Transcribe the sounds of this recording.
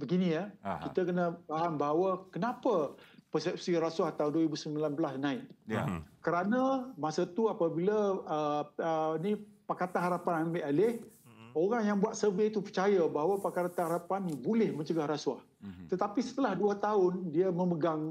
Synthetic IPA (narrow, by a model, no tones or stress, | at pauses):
bəɡiniakit̪akənəfaɦanbaɦawakənãpəpərsɛp̚siɾasuaht̪aʊnduəɾibusəmilanbəlasnãɪʔ̚ | kəɾanãmasat̪uapabilaəənipakat̪anhaɾapananbaʔalɪhoɾaŋjaŋbuat̪̚səbiit̪upərt͡ʃajabaɦawapakat̪anhaɾapanːibulɪhmə̃ɲt͡ʃəɡahɾasuah | t̪ət̪apisə̥t̪əlahduət̪aʊndiəmə̃məɡaŋ